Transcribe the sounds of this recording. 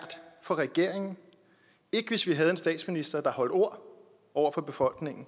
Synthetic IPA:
d̥fɒ̽ʁɛɡ̥e̝ɐ̰e̝ŋn̩ | e̝ɡ̥əʋe̝sʋiɦæð̞̩ˠe̝nsd̥ɛ̰ːd̥sminisd̥ɐd̥ɑ̈hɒ̽l̰d̥o̝ɐ̰ | ʔɒʊ̰ɐfɒ̽b̥e̝fɒ̽l̰ɡ̥ne̝ŋn̩

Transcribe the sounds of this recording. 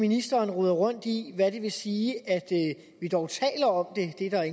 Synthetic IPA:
minisd̥ɐːnʁuð̰ˠɐʁɔ̽n̰d̥iʋæɾ̥e̝ʋe̝siːæd̥ | ʋid̥ɒʊt͡sʰɛ̰ːlɐɒ̽md̥e̝d̥e̝ɾ̥ɑ̈e

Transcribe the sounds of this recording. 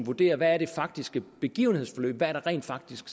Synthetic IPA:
ʋud̥e̝̰ːɐʋæːɐɾ̥e̝fɑ̈ɡ̥̚d̥isɡ̥əb̥e̝ɡ̥ḭːʊn̩hḛsfɒ̽lø̰ːb̥ʋæɐɾ̥eʁɛ̰ːnd̥fɑ̈ɡ̥̚d̥isɡ̥

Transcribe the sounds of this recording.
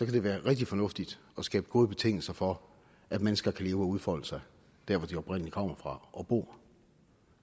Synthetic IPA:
sɒ̽kʰæd̥e̝ʋæːɐʁɛɡ̥̚d̥ifɒ̽nɔ̽fd̥id̥ | ɒ̽sɡ̥ɛ̰ːb̥əɡ̥o̝ːð̞ˠbe̝t͡sʰe̝ŋ̰l̩sɐfɒ̽ | ʔædmenəsɡ̥ɐkʰæle̝ːʊəɒ̽uð̞ˠfɒləsɑ̈ɪ | d̥æɐʋɒd̥iɒ̽b̥ʁen̰əlikʰɒ̽m̰ɐfʁɑ̈ʔɒ̽b̥o̝̰ː

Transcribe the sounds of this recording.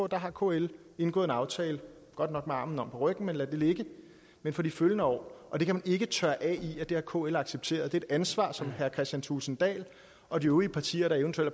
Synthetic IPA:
d̥ɑ̈ɦɑ̈kʰo̝ːel | e̝nɡ̥ɔ̽ð̩ˠe̝nɑ̈ʊt͡sʰɛːlə | ɡ̥ɒ̽d̥nɒ̽ɡ̥meɑ̈ːmn̩ɒ̽mpʰɒ̽ʁœɡ̥n̩menlæd̥e̝le̝ɡ̥ə | menfɒ̽diføljənəɒ̰ːʔɒ̽d̥e̝kʰæmæne̝ɡ̥ət͡sʰɶɐʔɛiæd̥e̝hæɐkʰo̝̰elɑ̈ɡ̥seb̥̚t͡sʰe̝̰ːɐð̩ˠd̥e̝e̝d̥ænsʋɑ̰̈ːsɒ̽mhæɐkʰʁɛsd̥jænt͡sʰusn̩d̥ɛ̰ːl | ʔɒ̽d̥ioʊiəpʰɑ̈t͡sʰḭːɐɾ̥ɑ̈eənt͡sʰuel̰dæ

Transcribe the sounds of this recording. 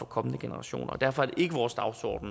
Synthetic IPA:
fɒkʰɒ̽mənəɡ̥e̝nəʁɑ̈ɕo̝̰ːnʔɐ̰d̥æɐfɒ̽æɐd̥eʔe̝ɡ̥əʋɒːsd̥ɑ̈ʊsɒ̰ːd̥n̩

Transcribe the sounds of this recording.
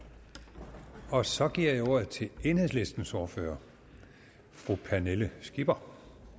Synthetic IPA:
ɒ̽sɒ̽ɡ̥iɐ̰jao̝ɐ̰ð̩ˠt͡sʰe̝le̝ːnhe̝ðˠsle̝sd̥n̩sɒːfø̰ːɐ | fʁupʰæneləsɡ̥ib̥ɐ

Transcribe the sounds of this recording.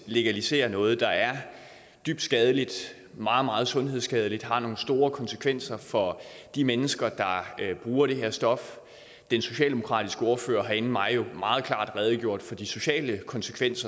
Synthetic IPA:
le̝ɡ̥ælise̝̰ːɐnɔ̽ːð̞̩ˠd̥ɑ̈æɐ | d̥yb̥̚d̥sɡ̥ɛːð̞ˠəlid̥ | mɑ̈ːð̩ˠmɑ̈ːð̞̩ˠsɔ̽nɦeð̰ˠsɡ̥ɛːðˠəlid̥ɦɑ̈no̝ːŋn̩sd̥o̝ːɐkʰɒ̽nsə̥kʰʋen̰sɐfɒ̽ | d̥imenəsɡ̥ɐd̥ɑ̈b̥ʁuːɐɾe̝ɦe̝ɐsd̥ɒ̽f | d̥enso̝ɕɛ̰ːld̥emokʰʁɑ̰̈ːd̥ʰisɡ̥əo̝ːɐfø̰ːɐɦɑ̈e̝n̩mɑ̈ɪjo̝mɑ̈ːð̞̩ˠkʰl̥ɑ̰̈ːd̥ʁɛːð̞ˠɡ̥jo̝ɐ̰d̥fɒ̽d̥iso̝ɕɛ̰ːləkʰɒ̽nsə̥kʰʋen̰sɐ

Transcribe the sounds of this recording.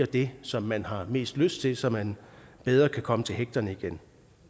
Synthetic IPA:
ɐd̥e̝sɒ̽mːænɦɑ̈me̝̰ːsd̥løsd̥t͡sʰe̝lsɒ̽mænb̥eð̞ˠʁɐkʰækʰɒ̽mət͡sʰe̝lɦeɡ̥̚d̥ɐnəiɡ̥en

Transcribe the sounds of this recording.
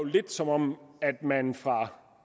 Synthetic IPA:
ʊle̝d̥sɒ̽mɒ̽mæd̥mænfʁɑ̈

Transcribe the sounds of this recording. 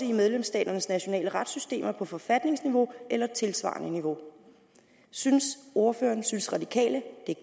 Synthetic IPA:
əimeð̞ˠlemsd̥ɛ̰ːd̥ɐnəsnæɕo̝nɛ̰ːləʁɑ̈d̥sysd̥e̝̰ːmɐpʰɒ̽fɒ̽fæd̥ne̝ŋsniʋo̝ʔelɐt͡sʰe̝lsʋɑ̰̈ːnəniʋo̝ | synso̝ɐføːɐnsynsʁɑ̈d̥ikʰɛ̰ːləd̥e̝

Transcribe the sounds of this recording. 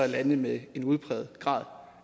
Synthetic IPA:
ælænəmee̝nuð̞ˠpʰʁɛ̰ːð̞̩ˠɡ̥ʁɑ̈ːðˠ

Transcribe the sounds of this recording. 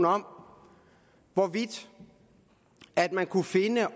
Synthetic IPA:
nɒ̽m̰ | ʋɒʋid̥ | æd̥mænkʰufe̝nə

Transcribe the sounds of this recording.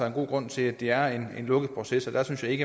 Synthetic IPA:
ɑɐenɡo̝̰ːɡ̥ʁɔ̽n̰t͡sʰe̝læd̥e̝æɐe̝nenlɔ̽ɡ̥əð̩ˠpʰʁo̝sesɒ̽d̥æɐsynsjɑ̈ɪe̝ɡ̥ə

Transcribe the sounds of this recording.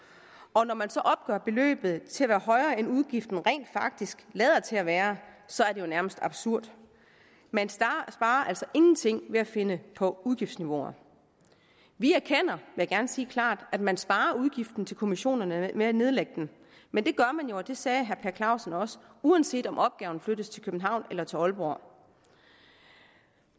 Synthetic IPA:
ɒ̽nɒmænsɒ̽ʔɒ̽b̥̚ɡ̥œ̰ɐb̥e̝lø̰ːb̥ð̞̩ˠt͡sʰe̝æʋæːɐɦɒ̽ɪʁɐːenuðˠɡ̥ifd̥n̩ʁɛ̰ːnd̥fɑ̈ɡ̥̚d̥isɡ̥lɛːð̞ˠɐt͡sʰe̝læʋæːɐsɒ̽æɐdejo̝næɐməsd̥ɑ̈b̥suɐ̰d̥ | mænsb̥ɑ̈ːɐʔæl̰sɒ̽ʔe̝ŋn̩t͡sʰe̝ŋ̰ʋe̝æfe̝nəpʰɒ̽uðˠɡ̥ifd̥sniʋo̝̰ɐ | ʋiæɐkʰen̰ɐʋe̝jaɡ̥æɐnsiːkʰlɑ̰̈ːd̥æd̥mænsb̥ɑ̈ːɐuðˠɡ̥ifd̥n̩t͡sʰe̝lkʰo̝miɕo̝̰ːnɐnəmeæne̝ð̞ˠleɡ̥əd̥en | mend̥e̝ɡ̥ɶɐmænjo̝ɒd̥e̝sɛːɦæɐpʰæɐkʰlɑ̈ʊsn̩ɒ̽sə̥uænse̝̰ːd̥ɒ̽mʔɒ̽b̥̚ɡ̥ɛːʊn̩fløɾ̥ð̩ˠst͡sʰe̝lkʰøb̥n̩ɦɑ̈ʊ̰nelɐt͡sʰe̝lɒ̽lb̥oɐ̰

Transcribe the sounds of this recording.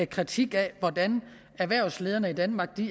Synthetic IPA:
kʰʁit͡sʰiɡ̥ɛʋɒd̥æn | æʋæɐ̰ʊsle̝ːð̞ˠɐnəid̥ænmɑ̈ɡ̥̚d̥i

